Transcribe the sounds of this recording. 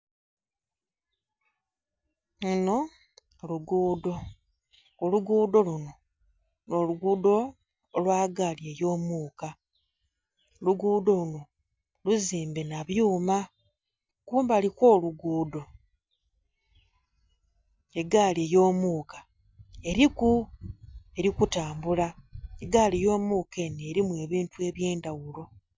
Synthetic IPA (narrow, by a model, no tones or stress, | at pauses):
uno̞ | luɡuːdo̞ː | luɡuːdo̞luno̞ | no̞luɡuːdo̞ | lwaːɡaːlie̞jo̞ːmuːka | luɡuːdo̞luno̞ | luziːmbe̞naβjuːma | kuːmbaliko̞ːluɡuːdo̞ | e̞ɡaːlejo̞ːmuːkḁ | e̞ɾiku | e̞ɾikutaːmbulaeɡaːlijo̞ːmuːke̞neːɾimwe̞ːβiːntue̞βje̞ːndawulo̞